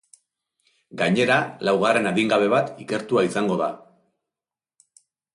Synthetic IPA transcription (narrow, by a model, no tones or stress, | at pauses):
ɡaɲe̞ɾalawɣare̞naðiŋɡaβ̞e̞βat̪ike̞ɾt̪uaisaŋɡo̞ða